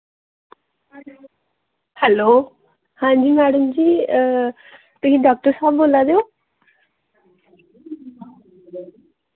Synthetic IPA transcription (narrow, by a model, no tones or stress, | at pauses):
hɛloː | hãːd͡ʒiːmɛːɽəmd͡ʒiː | t̪ʊsĩːɖɔːk̚ʈəɾsaːbboːlaːd̪eoː